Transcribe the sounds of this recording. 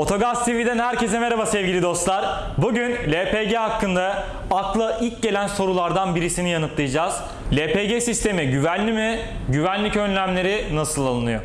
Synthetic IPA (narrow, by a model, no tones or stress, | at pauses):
o̞t̪ʰo̞ɡafst̪ʰivid̪ænɦæɾce̞sɛmeɾabasɛvɟilʲid̪o̞st̪lˠaɾ | buɟynlʲepeɟeɦakːɯnd̪a | aklˠaʔilʲc̚ɟe̞lʲænso̞ɾulˠaɾd̪anbiɾisinijanɯt̪lˠɯjɯd͡ʒaːz̥ | lʲepeɟesist̪ʰe̞miɟyvænlʲimiɟyvænlʲicø̞nlʲæmlʲe̞ɾinasɯlˠalˠɯnɯjo̰